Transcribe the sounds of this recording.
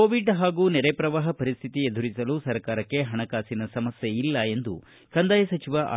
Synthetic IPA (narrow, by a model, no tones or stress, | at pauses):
oːʋiɖɦaːɡuːnɛɾepɾɐʋaːɦɐpɐɾist̪ʰit̪ied̪ʱuɾisɐlusɐɾkaːɾɐkːe̞ɦɐɳɐkaːsinɐsɐmɐsjeilːɐe̞nd̪ṵ | kɐnd̪aːjɐsɐt͡ʃiʋaʔa̰